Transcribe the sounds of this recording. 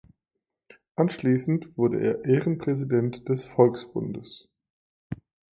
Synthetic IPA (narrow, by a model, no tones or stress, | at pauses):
ʔanʃliːsn̩tv̥ʊɐdə̰ʔḛːɐʔeːʁənpʁ̥ɛzidɛntd̥ɛsfɔlksb̥ʊ̰ndəs